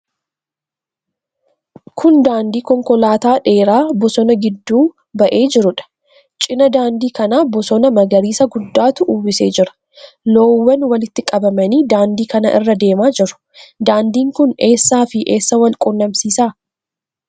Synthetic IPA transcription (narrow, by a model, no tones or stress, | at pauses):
kʰʊnd̪aːnd̪iːkɔŋkɔlaːt̪aːᶑe̞ːɾaːbɔsɔnɐɡɪd̪ːuː | bɐʔe̞ːd͡ʒɪɾʊᶑɐ̥ | t͡ʃʼɪnɐd̪aːnd̪iːkɐnaːbɔsɔnɐmɐɡɐɾiːsɐɡʊd̪ːaːt̪ʊʔːwɪse̞ːd͡ʒɪɾɐ̥ | loːwːɐnwɐlɪt̪ːɪkʼɐbɐmɐniːd̪aːnd̪iːkɐnɐ̰ʔɪ̰rːɐd̪e̞ːmaːd͡ʒɪɾʊ̥ | d̪aːnd̪iːŋkʊne̞ːsːaːfɪʔe̞ːsːɐwɐlkʼʊnːɐmsiːsaː